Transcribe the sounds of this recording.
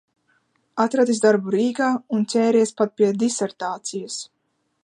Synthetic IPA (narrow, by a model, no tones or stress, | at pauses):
at̪ɾad̪izd̪aɾbuɾiːɡaːunt̪sʲɛːɾiɛspat̪̚piɛd̪isɛɾt̪aːt̪sijas